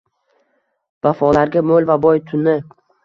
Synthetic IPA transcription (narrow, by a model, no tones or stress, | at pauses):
vafɒlaɾɡʲamolvabɒjt̪ʰʊnɪ